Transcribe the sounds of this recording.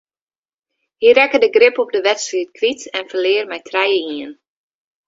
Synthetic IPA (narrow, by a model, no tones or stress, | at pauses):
hirɛkədəɡrɪpɔp̚dəʋɛtsritkʰʋitɛnfərlɪərmɛjtʰrɛjəiən